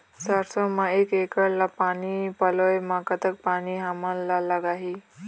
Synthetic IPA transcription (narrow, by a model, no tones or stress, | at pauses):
saɾsomaekekəɽlapanipəlojmakət̪ək̚paniɦamalːalaɡaɦi